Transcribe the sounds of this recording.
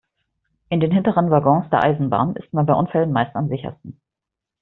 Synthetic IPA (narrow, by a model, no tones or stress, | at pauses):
ʔɪndeːnɦɪntəʁənvaɡɔ̃ŋsd̥eːɐʔa̰ɪzn̩ba̰ːnʔɪ̰st̚manbaɪʔʊnfɛlənmaɪstamzɪçɐ̰stn̩